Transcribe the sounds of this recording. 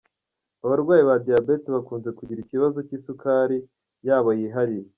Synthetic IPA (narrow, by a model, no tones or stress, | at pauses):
aβaɾɡwaːjiβadijabe̞teβakuːnze̞kuɟiɾiciβazo̞ciːsukaɾi | jaːβojiɦaɾije